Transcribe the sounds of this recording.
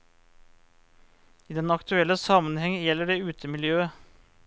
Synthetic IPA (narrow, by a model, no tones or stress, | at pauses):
iːd̪ɛnɑkt̪ʉɛləsɑmənhɛŋjɛlːəɖeːʉːt̪ʰəmɪljøːə